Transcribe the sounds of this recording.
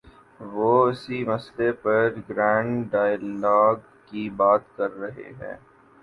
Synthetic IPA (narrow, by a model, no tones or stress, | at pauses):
ʋoːɪsimɐslepɐɾɡɾɛ̃ːɳɖaːɪjllaːɡ | kibaːt̪kɐɾːɐɦḛɦɛ̰̃ː